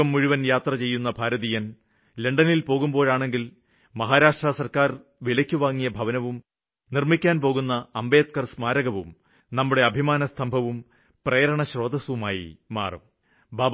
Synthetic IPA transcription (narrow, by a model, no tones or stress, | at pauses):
ɐmːuɻuʋɐnjaːt̪rɐt͡ɕe̞jːunːɐbʱaːɾɐðijɐn | le̞ɳɖɐnilpo̞ːɣumbo̞ːɻaːɳe̞ŋɡil | mɐɦaːɾaːʂʈrɐsɐrkaːr | ʋilɐkʲːuʋaːŋːijɐbʱɐʋɐnɐʋum | nirmikʲːaːnpo̞ːɣunːɐːmbe̞ːt̪̚kɐrsmaːɾɐɣɐʋum | nɐmːuɽe̞ɐbʱimaːnɐsɐmbʱɐʋum | prɐjɐɾɐɳɐɕro̞ːd̪ɐsʋumaːjḭma̰ːrṵm | baː